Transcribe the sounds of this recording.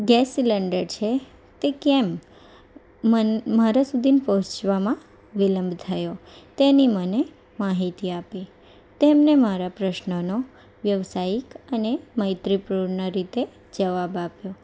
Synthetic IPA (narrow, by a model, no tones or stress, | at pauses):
ɡɛsləɳɖəɾt͡ʃʰe | t̪ekɛm | maɾasud̪ʱinpəɦʊ̃t͡ʃʋamã | ʋiləmbʱt̪ʰəjot̪eniməne | maɦit̪iapi | t̪emnemaɾapɾəʃnəno | ʋjəʋsajikəneməjt̪ɾipɾuɾnaɾit̪e | d͡ʒəʋabapjo